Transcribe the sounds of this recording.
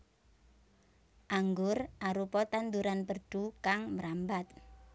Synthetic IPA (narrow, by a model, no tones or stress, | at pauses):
ʔaŋɡʊrʔaɾupɔt̪and̪uɾanpərɖ̥ukaŋməɾambat̪̚